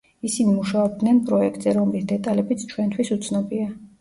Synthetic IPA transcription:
isinimuʃaɔbd̪nɛnpʼɾɔɛkʰt̪ʼz̥ɛɾɔmlisd̪ɛt̪ʼalɛbit̪sʰt͡ʃʰwɛnt̪ʰwisut̪sʰnɔbia

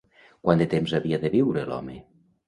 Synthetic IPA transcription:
kwand̪et̪emzaβiaðeβiwɾelɔ̰me

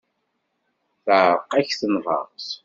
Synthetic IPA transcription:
θəʕɾˤqæçθənvɑ̰ɾˤs

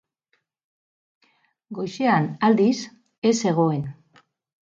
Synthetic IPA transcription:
ɡo̞jʃeanald̪is | e̞se̞ɣ̞o̞e̞n

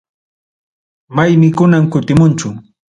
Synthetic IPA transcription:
majmɪkʊnamkʊt̪ɪmʊnt͡ʃʊ

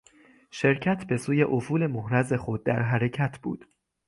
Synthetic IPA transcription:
ʃe̞ɾcʰæt̪ʰbe̞suːje̞ʔofuːle̞mohɾæze̞xo̞d̪̚ːæ̰ɾɦæɾe̞cʰæt̪ʰb̥ṵːd̪̥

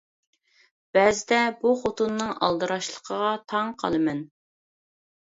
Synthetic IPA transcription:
b̥ɛzɪd̪ɛbuχot̪unːɨŋɑ̰lˠd̪ɨɾɑʃlˠəqʰəʁɑt̪ʰɑŋqʰɑ̰lˠɨmɛn

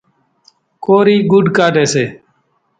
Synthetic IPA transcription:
koːɾiːɡʊɖkaːʈeːseː

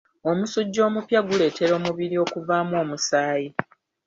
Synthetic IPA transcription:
o̞musuɟːo̞ːmupjaɡule̞ːte̞ɾo̞ːmuβiɾio̞kuvaːmo̞ːmusaːji

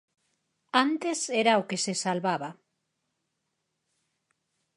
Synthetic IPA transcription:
ant̪eseɾaokesesalβaβa

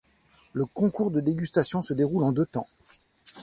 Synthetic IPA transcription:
ləkɔ̃kuʁd̪əd̪eɡʲyst̪asjɔ̃səd̪eʁulɑ̃d̪øt̪ɑ̃

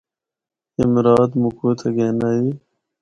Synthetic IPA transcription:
imɾɑːd̪mukuːt̪ʰɐɡeːnai

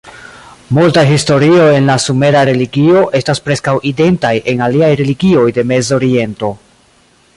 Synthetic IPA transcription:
multaɦisto̞ɾio̞e̞nlasume̞ɾaɾe̞liɡio̞ʔe̞staspɾe̞skawʔide̞ntajʔe̞naliajɾe̞liɡio̞jde̞me̞zo̞ɾie̞nto̞

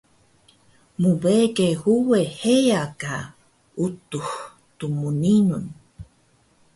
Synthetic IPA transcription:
mubekehuehejaka | ut̪ux | t̪umuninun

